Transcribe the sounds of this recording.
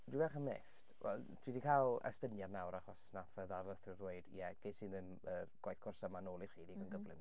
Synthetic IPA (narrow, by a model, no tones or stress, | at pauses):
diɛχəmḛftwɛ̰lˠdʰwidikʰalˠə̰stənjarnawɾaχɔsnaθəðarləθɪrweɨd̥̰jɛɡ̥ejsɨnðən | ərɡ̥wajθkʰɔrsəmanoːlˠiχiːðiɡənɡəvlɪ̰m